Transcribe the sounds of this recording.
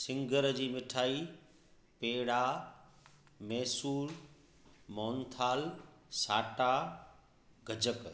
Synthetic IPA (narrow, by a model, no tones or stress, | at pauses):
sɪ̃ŋɡəɾd͡ʑiːmɪʈʰaːi | peːɽa | mɛːsuːɾ | mɔːnt̪ʰaːlsaːʈa | ɡʱɐd͡ʑək